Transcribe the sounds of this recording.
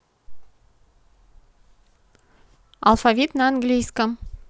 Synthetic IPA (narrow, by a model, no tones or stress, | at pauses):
alˠfavʲit̪naanɡlʲijskə